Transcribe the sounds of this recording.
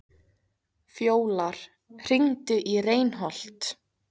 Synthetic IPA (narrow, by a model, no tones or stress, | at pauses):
fjoːwlaɾ̥ | r̥iŋt̪ʏʔireːjnɦɔl̥t̪